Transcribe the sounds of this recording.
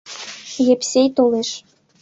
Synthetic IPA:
jepsʲejt̪oleʃ

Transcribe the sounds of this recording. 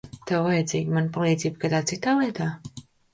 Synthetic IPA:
t̪ɛwvajɛd̪ziːɡʲmanpalˠiːd̪zʲiːb̚kad̪aːt̪sit̪aːviɛt̪aː

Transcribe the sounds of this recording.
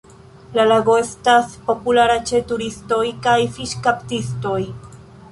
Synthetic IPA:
lalaɡo̞e̞staspo̞pulaɾat͡ʃe̞tuɾisto̞jkajfiʃkaptisto̞j

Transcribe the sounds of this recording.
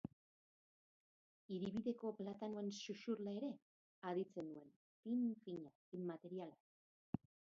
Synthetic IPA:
iɾiβiðe̞ko̞plat̪anoensuʃuɾlae̞ɾe̞ | aðit͡se̞nue̞n | fiɱfiɲa | immat̪e̞ɾialak

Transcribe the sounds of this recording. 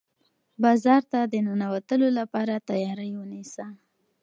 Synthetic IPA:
bɑzɑɾt̪ad̪ənənawat̪əlolapɑɾat̪ajɑɾəjwənisa

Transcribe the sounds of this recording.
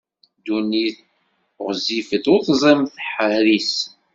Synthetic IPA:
d̪uniθ | ʁzifəd̪ʊθzˤemθəħəɾis

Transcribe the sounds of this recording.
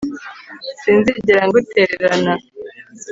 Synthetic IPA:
siːnziɟiɾaŋɡuteɾeɾana

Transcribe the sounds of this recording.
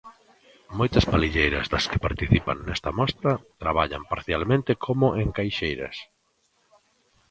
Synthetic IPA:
mojt̪ɐspaliʎejɾɐzðɐskɪpaɾt̪iθipa̰ŋnɛst̪ɐmɔst̪ɾɐt̪ɾaβaʎa̰mpaɾθjalmẽnt̪ɪkʰomʊʔeŋkajʃejɾɐ̰s

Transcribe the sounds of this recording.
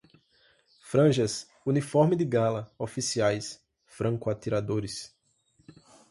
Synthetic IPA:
fɾɐ̃ʒɐs | unifɔɾmɪd̪ɪɡalɐofisiajs | fɾɐ̃ŋkʊat̪iɾad̪oɾɪs

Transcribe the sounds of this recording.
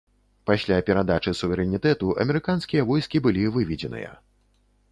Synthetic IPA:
pasʲlʲapʲɛɾad̪at͡ʂɨsuvʲɛɾɛnʲit̪ɛt̪uʔɐ̰mʲɛɾɨkanskʲijɐvɔjskʲibɨlʲivɨvʲid͡zʲɛnɨ̰jɐ̰

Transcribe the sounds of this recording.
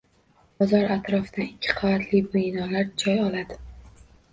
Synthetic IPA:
bɒzɒɾat̪ɾɒfd̪aɪkʲʰːɪ̥qʰɒvat̪ʰlijbʊjnɒlaɾt͡ʃʰɒjɒlad̪ɪ

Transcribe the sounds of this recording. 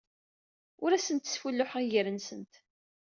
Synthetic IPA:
ʊɾæsənt̪ːsfulːʊħʁiʝəɾənsənt̪

